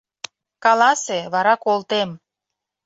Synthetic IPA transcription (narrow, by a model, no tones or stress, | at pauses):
kɑlɑseβɑɾɑkolt̪em